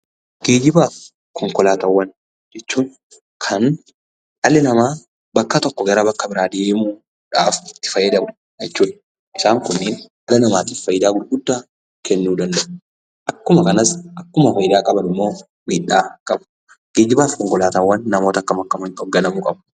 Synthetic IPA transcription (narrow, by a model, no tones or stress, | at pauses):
ɡ̥eːd͡ʒɪbaːf | kʰɔŋkɔlaːt̪ɐwːɐn | d͡ʒɛt͡ʃːuːn | kʰɐn | ɐlɪnɐmaː | bɐkːɐt̪ɔkːɔɡɐɾɐbɐkːɐbɪɾaːd̪eːmu | ᶑaːfɪt̪ːɪ̥fɐjːɐd̪ɐmɐn | jɛt͡ʃːuːᶑɐ̥ | ʔɪsaːŋkʊnːeːn | ɐlɐnɐmaːt̪iːffɐjːɪd̪aːɡʊd̪ɡʊd̪ːaː | kɛnːuːd̪ɐnd̪ɐʔʊ | ʔɐkːʊmɐkɐnɐsʔɐkːʊmɐfɐjɪd̪aːkʼɐbɐnɪmːo̞ː | miːᶑːaːkʼɐb | ɡ̥eːd͡ʒɪbaːfkɔŋkɔlaːt̪ɐwːɐnːɐmo̞ːt̪ɐkːɐmɐkːɐmɐnkʼɔbɡɐnɐmuːkʼɐb